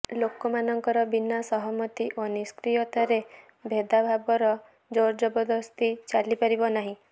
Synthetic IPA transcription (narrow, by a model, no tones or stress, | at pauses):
lokɔmanɔŋkɔɾɔbinasɔɦɔmɔt̪iʔoniskɾijɔt̪aɾe | bʱed̪abʱabɔɾɔ | d͡ʒoɾd͡ʒɔbɔd̪ɔst̪it͡ʃalipaɾibɔnaɦĩ